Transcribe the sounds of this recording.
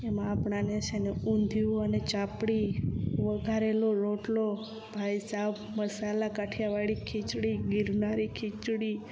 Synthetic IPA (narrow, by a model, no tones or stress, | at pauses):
emãːpɳaneseneund̪ʱioənet͡ʃapɽiʋəɡʱaɾeloɾoʈlo | bʱajsab | məsalakaʈʰjaʋaɭikʰit͡ʃɽiɡɪɾnaɾikʰit͡ʃɽi